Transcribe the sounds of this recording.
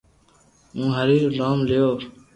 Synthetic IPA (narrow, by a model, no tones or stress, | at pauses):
ũːɦəɾiːɾɖaːmlejoː